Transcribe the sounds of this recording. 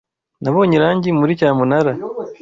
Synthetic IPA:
naβoːɲiɾaːɲɟimuɾicaːmunaɾa

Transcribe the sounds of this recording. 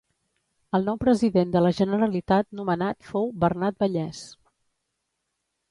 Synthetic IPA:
əlˠnɔwpɾəziðend̪ələʒənəɾəlit̪at̪̚numənat̪fowβərnat̪̚bəʎɛs

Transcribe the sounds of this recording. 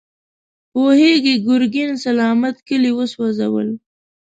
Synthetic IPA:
poheɡiɡʊɾɡinsalɑːmat̪kəliwəswazawə̰l

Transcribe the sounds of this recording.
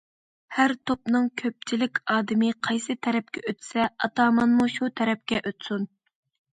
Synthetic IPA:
hæɾt̪ʰopnɨŋkʲʰøp̚t͡ʃʰilɪkʲɑːd̪ɪmɨqʰɑjsɨt̪ʰɛɾɛp̚kʲɛʔøt̪sɛɑt̪ɑːmɑnmuʃut̪ʰɛɾɛp̚kʲɛʔøt̪sun

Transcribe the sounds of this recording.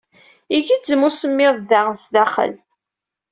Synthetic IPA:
iʝid͡zəmusəmːɪððæʁsðæχə̰l

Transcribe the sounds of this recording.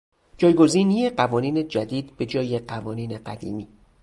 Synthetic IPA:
d͡ʒɒːjɡo̞ziːnijeɢævɒːniːne̞d͡ʒæd̪iːd̪be̞d͡ʒɒːjeɢævɒːniːne̞ɢæd̪ḭːmiː

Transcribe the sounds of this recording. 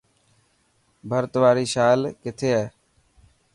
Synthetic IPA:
bʱəɾt̪ʋaːɾiːʃaːlkɪt̪ʰeːɦɛː

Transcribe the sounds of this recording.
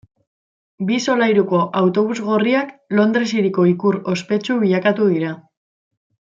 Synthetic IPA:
biso̞lajɾuko̞ʔawt̪o̞β̞uzɣo̞riaklo̞nd̪ɾesiɾiko̞ikuɾo̞spe̞t͡ʃuβiʎakat̪uðiɾa

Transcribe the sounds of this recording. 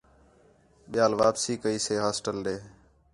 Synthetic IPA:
ɓɪjaːlʋaːpsiːkəiːseːɦaːsʈəlɗeː

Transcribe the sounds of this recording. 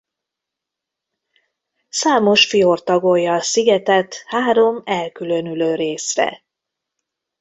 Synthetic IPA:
saːmo̞ʃfijort̪ɒɡojɒsiɡɛt̪ɛt̪haːɾo̞mɛlkylø̞nyløːɾeːsrɛ̰

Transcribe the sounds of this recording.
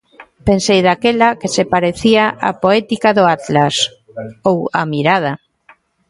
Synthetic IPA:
pensejðakelakesepaɾeθiaʔa̰poɛt̪ikaðʊat̪las | owamiɾað̞ɐ

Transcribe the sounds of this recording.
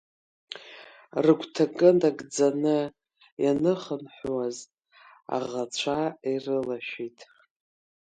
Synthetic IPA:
rɨɡʷʰtʰakʼɨndaɡʼd͡zanɨ | janɨχənħʷwazʼ | a̰ʁat͡ɕʷʰairɨlaʃᶣitʼ

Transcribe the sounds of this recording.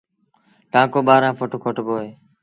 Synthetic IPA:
ʈãːkoːɓaːɾãːpʰoʈokʰoʈboːeː

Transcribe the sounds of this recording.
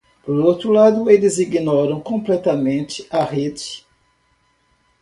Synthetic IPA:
poɾowt̪ɾulad̪ʊelɪziɡinɔɾɐ̃w̃kõplɛt̪ɐmẽnt͡ʃɪɐhed͡ʒɪ̥

